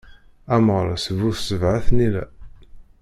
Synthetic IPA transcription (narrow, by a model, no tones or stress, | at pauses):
æməʁɾˤɑsəvuθsəvʕaθnilæ̰